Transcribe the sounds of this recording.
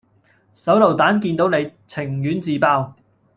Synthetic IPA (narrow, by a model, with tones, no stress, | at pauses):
sɐ˨˥wlɐ˨˩wt̪aː˨˥nkiː˧nt̪o˨˧˥wne˨˧jt͡sʰɪ˨˩ŋjyː˨˥nt͡siː˨˧paː˧w